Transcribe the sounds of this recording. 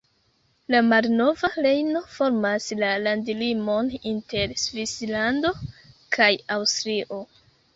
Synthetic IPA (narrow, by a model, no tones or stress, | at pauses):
lamalno̞vaɾe̞jno̞fo̞ɾmaslalandlimo̞ninte̞ɾsvislando̞kʰajawstɾiʔo̞